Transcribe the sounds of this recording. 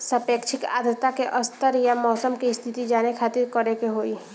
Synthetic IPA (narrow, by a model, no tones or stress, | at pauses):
səpeːkʃʰɪka̰ːd̪ət̪ːakeʔəst̪əɾjamɔːsəmkist̪ʰɪt̪id͡ʒaːnekʰaːt̪ɪɾkəɾekeɦoːiː